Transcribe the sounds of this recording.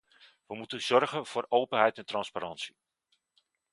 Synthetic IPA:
ʋəmutənz̥ɔrɣənv̥ʊːrowpənɦɛjtɛntrɑnspaɾɑnsi̥

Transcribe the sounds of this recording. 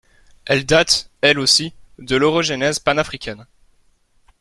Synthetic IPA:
ɛld̪at̪ɛlosid̪əlɔʁɔʒenɛzpanafχikʲɛn

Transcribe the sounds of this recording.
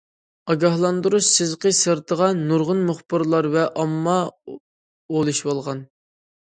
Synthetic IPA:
ɑɡʲɑhlˠɑnd̪uɾuʃsɪzqəsəɾt̪ʰəʁɑnuɾʁʊnmʊχbɨɾlˠɑɾvɛʔɑmːɑ | olˠɨʃbolˠʁɑn

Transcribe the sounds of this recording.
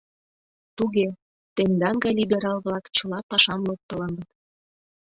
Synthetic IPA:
t̪uɣe | t̪end̪ɑŋɡɑjlʲibeɾɑlβlɑkt͡ɕɤ̆lɑpɑʃɑmlok̚t̪ɤ̆lɑnd̪ət̪

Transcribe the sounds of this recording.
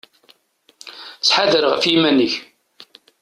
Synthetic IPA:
t͡sːħaðəɾʁə̰fjimænːəç

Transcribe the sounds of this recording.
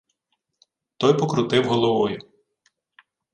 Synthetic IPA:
t̪ɔjpɔkɾʊt̪ɪwɦɔlˠɔʋɔjʊ

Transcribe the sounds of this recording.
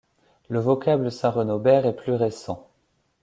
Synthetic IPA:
ləvɔkabləsɛ̃ʁənobɛʁɛplyʁesɑ̃

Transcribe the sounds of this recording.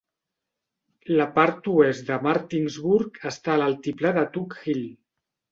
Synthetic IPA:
ləpaɾt̪uezd̪əmaɾt̪inzβuɾkəst̪aːlalˠt̪iplaðət̪ukxil

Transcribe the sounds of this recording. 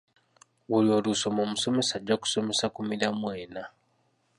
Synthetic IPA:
βulio̞luso̞momuso̞me̞saɟaku̥so̞me̞sakumiɾamwe̞ːna

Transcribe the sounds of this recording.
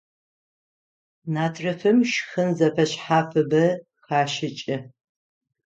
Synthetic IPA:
naːtʰrɐfɨmʃxɨnzɐfɐɕħaːfɨbɐ | xaːʃɪt͡ʃʼɪ

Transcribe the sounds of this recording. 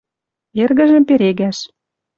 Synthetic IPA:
erɣə̆ʒə̆mpeɾeɣæʃ

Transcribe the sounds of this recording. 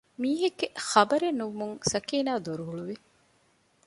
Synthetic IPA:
miːɦeɡːeχɐbɐɾenːuʋumuŋsɐkiːnaːd̪oɾuɦuɭuʋi

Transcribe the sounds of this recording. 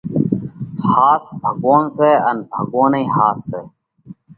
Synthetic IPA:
haːsbʱəɡoːnseːənbʱəɡoːneĩːhaːsːeː

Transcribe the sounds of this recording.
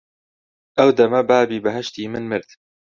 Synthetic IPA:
ʔɐwd̪ɐmɐbaːbiːbɐɦɐʃt̪iːmɨnmɨɾt̪

